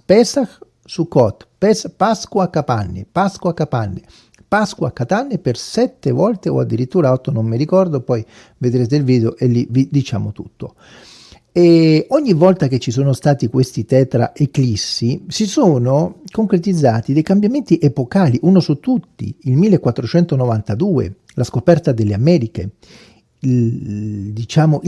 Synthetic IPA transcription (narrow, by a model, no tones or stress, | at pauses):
pɛːsax | sukːɔt̪pɛspaskwakːapanːepaskwakːapanːe | paskwakːat̪anːepersɛt̪ːevɔlt̪eo̰a̰d̪ːiɾit̪ːuːɾaɔt̪ːonomːiɾikɔrd̪opɔj | ved̪ɾeːt̪̬eilviːd̪eoʔelːivid̪it͡ʃa̰ːmot̪u̥t̪ːo̰ | ɛoɲːivːɔlt̪ak̟et͡ʃːisoːnost̪aːt̪ikwest̪it̪ɛːt̪ɾa̰ʔeklisːisisoːnokoŋkɾet̪id̪zːaːt̪id̪ejkambjament̪iʔepokaːliʔunosut̪ːut̪ːḭilmilːekːwat̪ːɾot͡ʃɛnt̪onovant̪ad̪uːḛ | laskopɛrt̪ad̪elːeamɛːɾike | d̪it͡ʃaːmoʔ